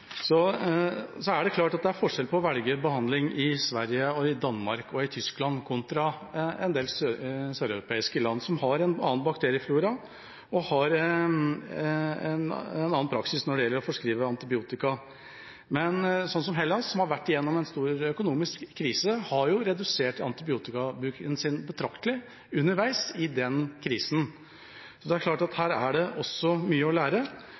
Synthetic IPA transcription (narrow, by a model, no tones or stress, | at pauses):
sɔ | sɔæɖɛklɑːʈɑt̪̚d̪ɛæɾfɔʂɛlpʰɔːʋɛlɡəbəhɑnd̪lɪŋɪsʋæɾjəɔɪd̪ɑnːmɑɾkɔɪt̪ʰʏsklɑnkʰʊnt̪ɾɑɛ̰nd̪eːlssøːɾœɾʊpʰeːɪskəlɑnːsɔmhɑɾɛnɑ̰ːənbɑk̚t̪ʰeːɾɪəfluːɾɑ | ɔhɑɾ | ɛnɛnɑːnpʰɾɑksɪsnɔɖɛjɛlːəɾɔfɔʂkɾiːʋəɑnt̪ɪbɪuːt̪ɪkɑ | mɛnsɔnːs̬ɔmɦɛlːɑnsːɔmhɑɾʋæʈːɪjɛnːɔmɛnst̪uːɾœkʊnuːmɪskʰːɾiːsəhɑɾjʊɾɛd̪ʉseːʈɑ̰nt̪ɪbɪuːt̪ɪkɑbʉːkənsɪnbət̪ʰɾɑkt̪əlɪ | ʉnːəɾʋæɪsɪd̪ɛnkʰɾiːsn | sɔd̪ɛæɾkʰlɑːʈɑt̪hæːɾæɖɛʔɔsːɔmyːəɔlæːɾə